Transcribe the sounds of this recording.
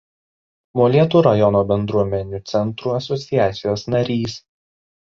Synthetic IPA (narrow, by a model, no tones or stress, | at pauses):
moːlʲiɛt̪uːɾɐjɔnoːbʲɛnd̪ɾuɔmʲɛnʲuːt̪sʲɛnˑt̪ɾuːɐsɔt̪sʲɪjæːt̪sʲɪjoːsnɐɾʲiːs